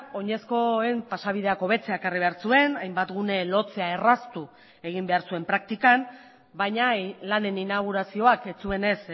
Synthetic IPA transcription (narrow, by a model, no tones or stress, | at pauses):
o̞ɲe̞sko̞e̞mpasaβ̞iðe̞ako̞β̞e̞t͡se̞akariβ̞e̞aɾsue̞najmbat̪ɣune̞lo̞t͡se̞ae̞rast̪u | e̞ɣimbe̞aɾsue̞mpɾak̚t̪ikam | bajɲalane̞ninaɣ̞uɾasio̞ake̞t͡sue̞ne̞s